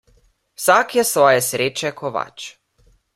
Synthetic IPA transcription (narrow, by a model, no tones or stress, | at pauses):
wsakjɛsʋɔːjɛsɾeːt͡ʃɛkʰɔʋa̰t͡ʃ